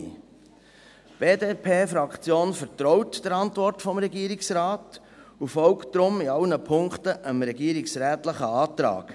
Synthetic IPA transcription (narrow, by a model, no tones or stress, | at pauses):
b̥eːdeːpʰeːfɾɑkχt͡sjoːnfəɾtɾɔwtd̥əɾɑntvɔrtfɔmɾɛɡiːəɾɪksɾɑːt | ufɔlktd̥ɾʊmiɑlnəpʰʊŋkχt̪əʔəmɾɛɡiːɾɪksɾæːtləχəɑːtɾɑ̰ːɡ̥